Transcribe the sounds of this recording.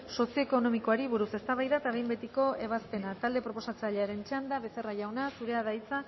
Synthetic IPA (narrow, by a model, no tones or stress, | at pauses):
so̞sijo̞eko̞no̞miko̞aɾiβuɾuse̞st̪aβajðat̪aβe̞jmbe̞t̪iko̞e̞β̞aspe̞nat̪ald̪e̞pɾo̞po̞sat͡saʎeaɾe̞nt͡ʃand̪aβe̞se̞raʝawnasuɾe̞aðajt͡sa